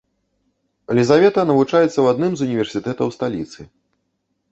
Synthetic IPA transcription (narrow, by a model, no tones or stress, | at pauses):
lʲizavʲɛt̪ɐnɐvut͡ʂajɛt̪sːɐwad̪nɨmzunʲivʲɛrsʲit̪ɛt̪ɐwst̪alʲit̪sɨ